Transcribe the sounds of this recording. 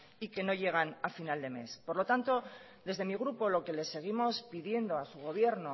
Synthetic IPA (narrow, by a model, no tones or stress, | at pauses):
ike̞no̞ʝe̞ɣ̞anafinald̪e̞me̞̰spo̞ɾlo̞t̪ant̪o̞ | ðe̞zðe̞miɣ̞ɾupo̞lo̞ke̞le̞sːe̞ɣ̞imo̞spiðje̞nd̪o̞asuɣ̞o̞β̞je̞ɾno